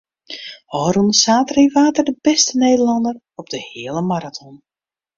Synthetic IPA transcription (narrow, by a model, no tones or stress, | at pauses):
hɔːɾunsaːtriʋaːtərdəbɛstəneːdəlɑndər | ɔb̚dəhɪəlˠəmaɾatʰɔn